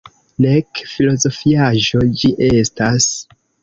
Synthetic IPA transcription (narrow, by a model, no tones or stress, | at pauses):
nekfilo̞zo̞fiaʒo̞d͡ʒiʔe̞stas